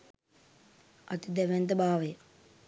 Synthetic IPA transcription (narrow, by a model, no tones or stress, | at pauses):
ɐt̪id̪ɛʋent̪əbaːʋəjə